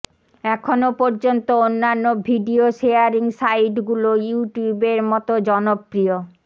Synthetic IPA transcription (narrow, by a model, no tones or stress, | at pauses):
ɛkʰonopɔɾd͡ʑont̪oonːanːobʱiɖioʃeaɾiŋsajʈɡulojuʈjubeɾmɔt̪od͡ʑɔnopːɾio